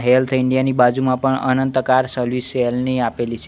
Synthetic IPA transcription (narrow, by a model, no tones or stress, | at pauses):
ɦelt̪ʰɪɳɖijanibad͡ʒumãpəɳə̰nənt̪əkaɾsəɾʋiselniapelit͡ʃʰe